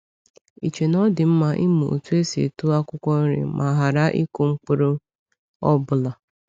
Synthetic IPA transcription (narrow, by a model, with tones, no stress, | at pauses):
i˨t͡ʃe˨nɔ˦dɪ˨m̩˦ma˨ʔi˦mu˨o̰˨tu˦e˦sḛ˨tu˦a˦kʷʊ˦kʷɔ˦ɾɪ̰˨mʔa˨ɦa˨ɾa˦ʔi˦kʊ˨ŋ͡m̩˦k͡pu˦ɾʊ˦ | ɔ˦bʊ˨la˨